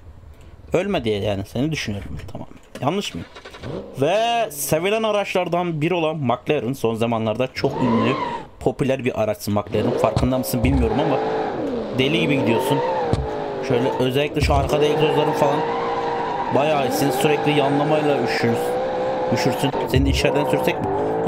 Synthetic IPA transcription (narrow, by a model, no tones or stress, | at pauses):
ølʲmed̪ijɛjaːnise̞nid̪yʃynyjo̞ɾumt̪ʰama̰ːmænjanlˠɯʃmɯjɯ̰mvɛsevilʲænaɾat͡ʃlˠaɾd̪anbiɾio̞lˠanmaklʲˠeɾɯnso̞nzamanlˠaɾd̪at͡ʃʰokynlʲypʰo̞pylʲæɾbiɾʔaɾat͡ʃsɯnmaklʲˠeɾinfaɾkʰɯnd̪amɯsɯnbilʲmijo̞ɾumama | d̪e̞lʲiɟibiɟid̪ijo̞sun | ʃø̞jlʲɛʔø̞zɛlʲːicʲlʲɛʃuaɾkʰad̪esø̞zlʲeɾinfalˠan | bajaːisinsyɾɛclʲijanlˠamajlˠayʃy | yʃyɾsynse̞niniʃæɾd̪ænsyɾsɛc̚mi